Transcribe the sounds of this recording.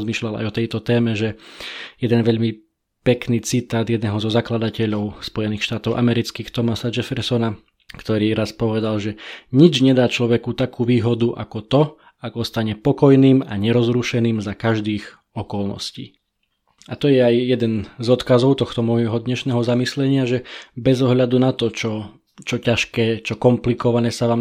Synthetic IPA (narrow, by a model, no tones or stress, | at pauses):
zmiːʃʎala̰jɔt̪ɛjt̪ɔt̪ɛːmɛʒɛjɛd̪ɛnʋɛʎmi | pɛkniːt͡sit̪aːd̪jɛd̪nɛːɦɔzɔzaklad̪acɛʎɔʊspɔjɛniːxʃt̪aːt̪ɔʊʔa̰mɛɾit͡skiːxt̪ɔmasad͡ʒɛfɛɾsɔna | kt̪ɔɾiːɾaspɔʋɛd̪alʒɛɲid͡ʒɲɛd̪aːt͡ʃlɔʋɛkut̪akuːʋiːɦɔd̪uʔa̰kɔt̪ɔ | aɡɔst̪aɲɛpɔkɔjniːmaɲɛɾɔzɾuʃɛniːmzakaʒd̪iːɣ | ɔkɔlˠnɔ̰scḭː | at̪ɔjɛajjɛd̪ɛnzɔt̪kazɔʊt̪ɔxt̪ɔmɔjɦɔd̪ɲɛʃnɛːɦɔzamislɛɲɪaʒɛbɛzɔɦʎad̪unat̪ɔt͡ʃɔ | t͡ʃɔcaʃkɛːt͡ʃɔkɔmplikɔʋanɛːsaʋaːm